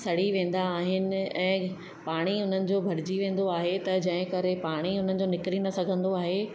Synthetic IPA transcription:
sɐɽ̤iʋẽːn̆d̪aːɦɪnɪ̆ɛ̃ː | paːɽ̃iʊn̤ənɪ̆d͡ʑoːbʱɐɾɪd͡ʑiʋẽːn̆d̪oaːɦet̪ɐd͡ʑɐ̃ɦɪ̃kɐɾepaːɽ̃iʊn̤ənɪ̆d͡ʑoːnɪkɪɾinɐsɐɡʱə̃nd̪oaːɦe

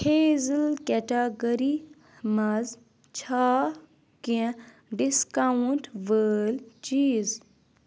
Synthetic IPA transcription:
hʰeːzilkeʈaɡəɾi | mɐz | t͡ʃʰaː | kĩ | ɖiskauɳʈʋəːlt͡ʃiːz

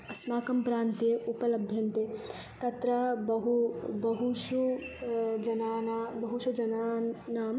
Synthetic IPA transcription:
ɐsmaːkɐmpɾaːnt̪eupɐlɐbʱjɐnt̪e | t̪ɐt̪ɾɐbɐɦubɐɦuʃu | d͡ʒɐnaːnaːbɐɦuʃud͡ʒɐnaːnaːm

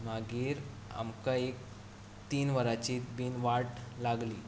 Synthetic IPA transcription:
maɡiːɾ | a̰mkaek̚ | t̪iːnʋəɾat͡ɕiːt̪biːnʋaʈlaɡliː

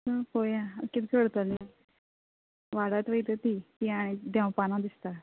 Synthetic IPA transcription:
səkojãkit̪kəɽt̪əli | ʋaɽat̪ʋəjt̪ət̪it̪iaɽ̃id̪jãwpanãd̪ist̪a

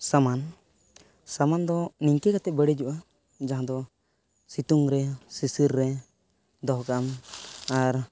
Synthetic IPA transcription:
saman | samand̪ɔniŋkɛkat̪ɛbəɽid͡ʒuʔa | d͡ʒaɦãd̪ɔ | sit̪uŋɾɛsisiɾːɛ | d̪ɔɦkaʔmaɾ

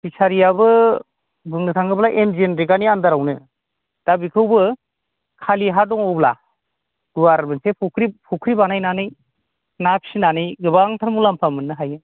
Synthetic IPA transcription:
bisaɾijabɯ | bɯŋnɯtʰaŋɡɯblaʔemzenɾiɡaniandaɾawnɯ | d̥abikʰɯwbɯ | kʰaliɦadɔŋɔwbla | ɡ̥uaɾbensepʰukʰɾipʰukʰɾibanajnanɯj | naksinanɯjɡɯbaŋtʰaɾmulampʰamɯnːɯɦajɯ

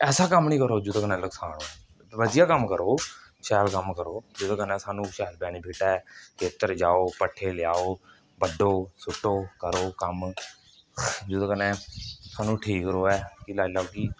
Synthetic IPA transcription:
ɛːsaːkəmnĩːkəɾoːd͡ʒod̪oːkənɛ̃ːləksaːɽoː | ʋəd̪ɪjaːkəmkəɾoːʃɛːlkəmkəɾoːd͡ʒod̪õːkənɛ̃ːsaːnũːʃɛːlbɛːniːbʱeːʈaːɛt̪eːt̪ːəɾd͡ʒaːoːpəʈʰːeːlɪjaːoː | bəɖoːsʊʈːoːkəɾoːkəm | d͡ʒod̪õːkənɛ̃ːsaːnũːʈʰiːkːɾoːɛːkilaːlaːoːkiː

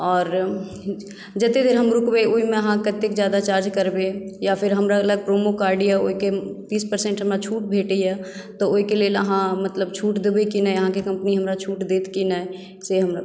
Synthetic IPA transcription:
ɔːɾ | d͡ʒət̪ed̪eːɾɦəmɾʊkbeoɦimẽəɦãkət̪ekd͡ʒjaːd̪at͡ʃaːɾd͡ʒkəɾbejapʰɪɾɦəmɾaɐləɡ̚pɾoːmokaːɾɖiɛoiket̪iːspəɾsẽɳʈɦəmɾat͡ʃʰuːʈbʱeːʈəɛt̪ɔoːɦikeleːləɦãmət̪ləbt͡ʃʰuːʈd̪ebekinɛəɦãkekɐ̃mpniɦəmɾat͡ʃʰuːʈd̪eːt̪kinɛ | seɦəmɾa

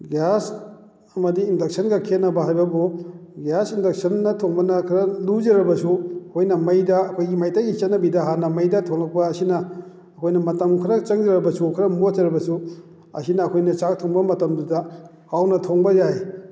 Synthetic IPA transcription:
ɡas | ɐmɐdiːndɐk̚sʰɐnɡɐkʰetnɐbɐɦajbɐbuɡasindɐk̚sɐnːɐtʰoŋbɐnɐkʰɐɾɐlud͡ʒɐɾɐbɐsukojnɐmɐjdɐːkʰojɡimajtaɡit͡ʃɐtnːɐbidɐɦanɐmɐjdɐtʰoŋlɐk̚pɐːsinɐː | kʰojnɐmɐtɐmkʰɐɾɐt͡ʃɐŋd͡ʒɐɾɐbɐsukʰɐɾɐmozɐɾɐbɐsu | ɐ̰sinɐːkʰojnɐt͡ʃak̚tʰoŋbɐmɐtɐmdudɐ | hawnɐtʰoŋbɐzaj

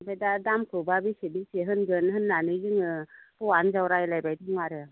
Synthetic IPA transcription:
bajdadamkʰɯwbabisebiseɦɯnɡɯnɦɯnːanɯzɯŋɯpɔwanzawɾajlajbajdɯŋaɾɯ

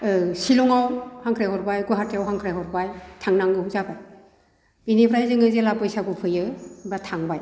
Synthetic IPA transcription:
ɯsilɔŋawhaŋkʰɾajɦɔɾbajɡɔjɦatʰiawɦaŋkʰɾajɦɔɾbajtʰaŋnaŋɡɯhuzabaj | binipʰɾajzɯŋɯzelapɯjsabɯpʰɯjɯbatʰaŋbaj

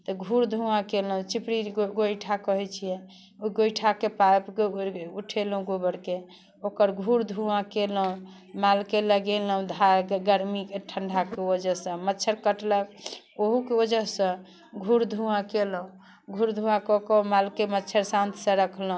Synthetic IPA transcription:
t̪ɔɡʱuɾd̪ʱuãkelũt͡ʃipɾiɡojʈʰakɔɦɛt͡ʃʰijɛ̃ | oɡojʈʰakepapkeuʈʰelũɡobəɾke | okəɾɡʱuɾd̪ʱuãkeləũ | malkeləɡeləũd̪ʱaɡəɾmikeʈʰəɳɖʱakeod͡ʒəɦsə̃mətːt͡ʃʰəɾkəʈlək | oɦukeod͡ʒəɦsə̃ | ɡʱuɾd̪ʱuãkeləũ | ɡʱuɾd̪ʱuãkɔkɔũmalkemətːt͡ʃʰəɾsãnt̪ʰsə̃ɾəkʰləɦũ

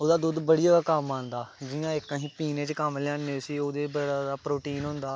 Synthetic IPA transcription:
oːd̪aːd̪ud̪bəɽiːaːaːkəmãːnd̪aːd͡ʒijãːɪkːəɦĩːpiːnẽːt͡ʃkəmlɪãːneːʊsiːoːd̪eːbəɽaːd̪aːpɾoːʈiːnɦʊ̃nd̪aː

